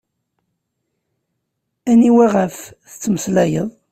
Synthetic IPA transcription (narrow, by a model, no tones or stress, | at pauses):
æniwæʁəfθət͡sːəməslæjəðˤ